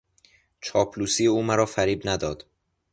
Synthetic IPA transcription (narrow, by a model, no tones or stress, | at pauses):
t͡ʃʰɒːpʰluːsiːjeuːmæɾɒːfæɾiːbnæd̪ɒːd̪̥